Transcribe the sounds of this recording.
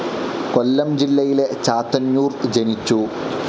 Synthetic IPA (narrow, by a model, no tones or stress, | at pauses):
kolːɐmd͡ʑilːɐjilet͡ɕaːt̪ːɐɲːuːrd͡ʑenit͡ɕːu